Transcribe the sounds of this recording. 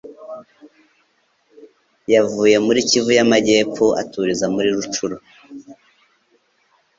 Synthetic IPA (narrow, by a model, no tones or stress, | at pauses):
javuːje̞muɾicivujamaɟe̞ːp͡foʔa̰tuɾizamuɾiɾut͡ʃuɾo